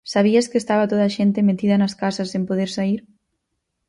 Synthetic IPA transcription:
saβ̞iaskest̪aβat̪oð̞aʃent̪emet̪iðɐnɐskasasempoðeɾsaiɾ

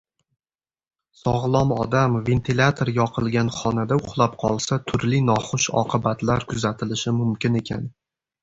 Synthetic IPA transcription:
sɒʁlˠɒmɒd̪amve̞nt̪ʰilʲat̪ʰoɾjɒqʰɨlˠɡʲanχɒnad̪aʊχlˠapqʰɒlˠsat̪ʰʊɾlɪnɒχʊʃɒ̰qʰɨbat̪laɾkʰʊzat̪ʰɪlɪʃɪmʊmkʲɪne̞kʲʰan

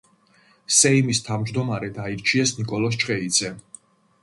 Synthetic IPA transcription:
sɛimist̪ʰavmd͡ʒd̪ɔmaɾɛd̪aiɾt͡ʃʰiɛsnikʼɔlˠɔs̬t͡ʃʼqʼɛid̪z̥ɛ

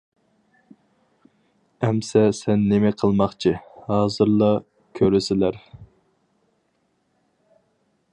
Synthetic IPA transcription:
ɛmsɛsɛnːɪmɛqʰəlˠmɑχt͡ʃʰihɑːzɨɾlˠɑ | kʲʰøɾɪsɪlæɾ

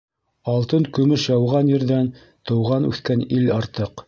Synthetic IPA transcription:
ɑlˠt̪ɤŋkɵ̆mɵʃjɑwʁɑnjɘ̆ɾðæn | t̪ɤ̆wʁɑnʉ̰θkænilɑɾt̪ɤq

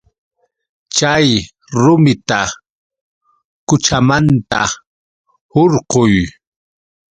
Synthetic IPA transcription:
t͡ʃaj | ɾʊmɪt̪a | kʊt͡ʃamant̪a | hoɾqʊj

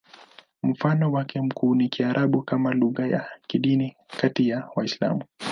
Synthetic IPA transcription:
m̩fanɔwakɛm̩kʰuːnikiaɾʔaɓukamaluɣaja̰kiɗini | katijawaisla̰mu

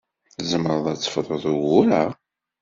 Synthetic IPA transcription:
θzəməɾəðˤæt͡sːə̥fðˤəðˤuwʊɾa

